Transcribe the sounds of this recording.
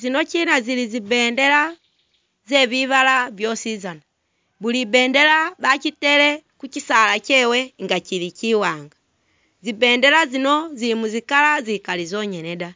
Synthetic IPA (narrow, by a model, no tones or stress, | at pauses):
zinocinazilizibeːndela | zeβiβalaβjosizana | βulibeːndelaβacitelekucisalacɛweŋɡaciɾiciwaːŋɡa | zibeːndelazinozilimuzikalazikalizoɲeneda